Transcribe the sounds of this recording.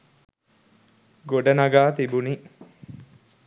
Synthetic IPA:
ɡoɖɐnɐɡaːt̪ibuni

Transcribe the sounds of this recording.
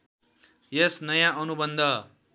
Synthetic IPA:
jesnʌjãʔʌnubʌnd̪ʱʌ

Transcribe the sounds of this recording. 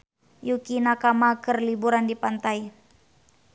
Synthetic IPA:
jukinakamakərlibuɾandipant̪ai

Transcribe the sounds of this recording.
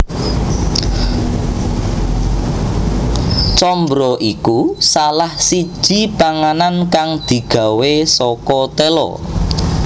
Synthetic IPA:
t͡ʃɔmbɾɔʔikusalahsid̥ʒ̥i̤paŋanankaŋd̪̥i̤ɡ̥a̤wesɔkɔt̪elɔ̰

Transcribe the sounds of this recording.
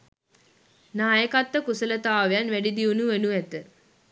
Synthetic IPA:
naːjəkat̪ːəkusələt̪aːʋejanʋæɖid̪iunuʋenuʋɛt̪ə

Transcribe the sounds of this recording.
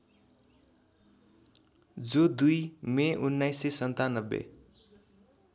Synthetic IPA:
d͡zod̪ujmeʔunːajsːesʌnt̪anʌbːḛ

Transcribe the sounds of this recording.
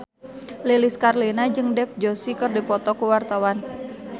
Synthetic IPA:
leliskarlinad͡ʒɨŋdɛfd͡ʒosikɨrdipɔt̪ɔkuwart̪awan

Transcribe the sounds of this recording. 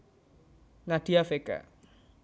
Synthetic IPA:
ŋadiafeka̰

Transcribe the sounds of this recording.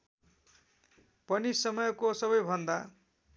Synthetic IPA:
pʌnisʌmʌjkosʌβʌjbʱʌnd̪a

